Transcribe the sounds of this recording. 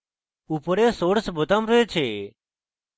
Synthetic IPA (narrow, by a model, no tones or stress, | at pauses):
uːpəɾeːsoːɽsbʱʊt̪ãːmɾəeːt͡ʃʰeː